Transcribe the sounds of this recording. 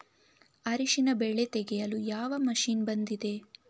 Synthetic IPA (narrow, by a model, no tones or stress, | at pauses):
ɐɾiʃinɐbeɭe̞t̪eɡɛjɐlujaːʋɐmɐʃiːnbɐnd̪id̪e̞